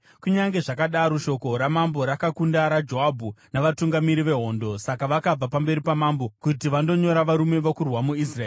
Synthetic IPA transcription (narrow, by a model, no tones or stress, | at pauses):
kuɲaŋɡe̞ʐakaɗaɾoʃo̞ko̞ɾamambo̞ɾakakundaɾad͡ʒoabʱunaʋatuŋɡamiɾiʋe̞ɦo̞ndo̞sakaʋakab͡vapambe̞ɾipamambo̞kutiʋando̞ɲo̞ɾaʋaɾume̞ʋokurwamuisraeː